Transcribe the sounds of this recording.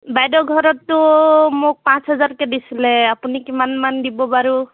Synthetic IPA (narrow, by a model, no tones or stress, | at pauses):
bajdɔɡʱɔɹɔtːʊmok̚pãsɦɔzaɹkɛdisilɛapunikimanmandibɔbaɹu